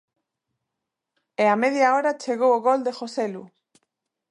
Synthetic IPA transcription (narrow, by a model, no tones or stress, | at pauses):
eameðjaoɾat͡ʃeɣowoɣold̪exoselu